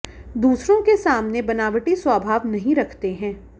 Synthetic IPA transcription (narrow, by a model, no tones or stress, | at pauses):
d̪uːsɾõkesaːmnebɐnaːʋəʈiswʋaːbʱaːʋnɐɦĩɾɐkʰt̪eɦɛ̃ː